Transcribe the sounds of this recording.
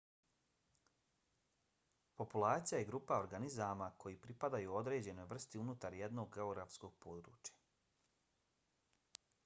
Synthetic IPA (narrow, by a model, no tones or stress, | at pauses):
po̞pulaːt̪sijajeɡɾuːpao̞ɾɡanizamakʰo̞jipɾipad̪ajuo̞d̪ɾe̞ːd͡ʑe̞no̞jʋr̩st̪iunut̪aɾjed̪no̞ɡɡeo̞ɡɾafsko̞ɡ̥̚po̞d̪ɾṵːt͡ɕjḁ